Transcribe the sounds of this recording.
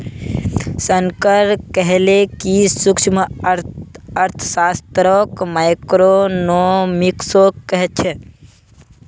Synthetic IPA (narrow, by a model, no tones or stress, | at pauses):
səŋkəɾkəɦlekisukt͡ʃmə | əɾt̪ʰə̥sast̪ɾokmajkɾonomiksokːəɦɛt̪̚t͡ʃʰɛ